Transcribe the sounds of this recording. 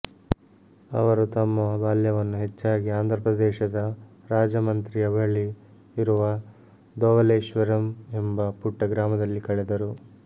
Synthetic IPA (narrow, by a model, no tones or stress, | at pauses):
ɐ̰ʋɐɾut̪ɐmːɐbaːljɐʋɐnːuɦet͡ʃːaːɡiaːnd̪ʱɾɐpɾɐd̪ɛːʃɐd̪ɐɾaːd͡ʒɐmɐnt̪ɾijɐbɐɭi | iɾuʋɐ | d̪ɔːʋɐleːʃʋɐɾɐmembɐpuʈːɐɡɾaːmɐd̪ɐlːikɐɭɛd̪ɐɾu